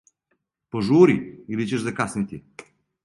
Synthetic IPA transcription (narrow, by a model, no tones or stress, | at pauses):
poʒuɾiilit͡ʃɛʒzakasnit̪i